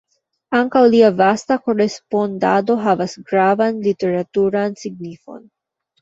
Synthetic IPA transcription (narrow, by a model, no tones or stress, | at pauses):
aŋkawliavast̪akoɾespond̪a̰do̞ɦavasɡɾavanlit̪eɾat̪uɾansiɡ̚nifo̞̰n